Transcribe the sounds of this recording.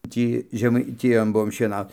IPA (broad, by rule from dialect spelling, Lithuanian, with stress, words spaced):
ˈtʲiː ʒʲɛmɐɪˈtʲɪjoːn ˈbuɔm ʃʲiɛˈnɐʊt